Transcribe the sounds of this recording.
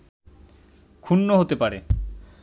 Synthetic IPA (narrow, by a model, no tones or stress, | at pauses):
kʰunːoɦot̪epaɾe